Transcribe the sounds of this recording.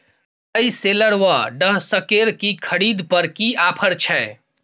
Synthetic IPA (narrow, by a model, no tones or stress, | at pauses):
əiseləɽʋaɖəɦsəkeɾkikʰəɽid̪pəɾkiapʰəɾt͡ʃʰɛ